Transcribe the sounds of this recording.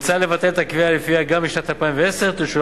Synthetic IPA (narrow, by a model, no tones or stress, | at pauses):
t͡sale̞vat̪elet̪akvialifiaɡambiʃnat̪alpaĩmveeseʁt̪uʃu